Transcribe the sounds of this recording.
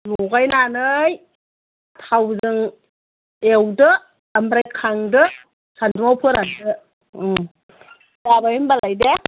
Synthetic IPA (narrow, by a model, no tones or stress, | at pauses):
luɡajnanɯj | tʰawzɯŋ | ewdɯ | ambɾajkʰaŋdɯ | sʰandumawpʰɯɾandɯ | dabajinbalajde